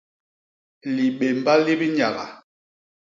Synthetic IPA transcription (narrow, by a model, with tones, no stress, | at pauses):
li˨ɓe˨m˨ba˦li˦bi˦ɲa˨ɣa̰˨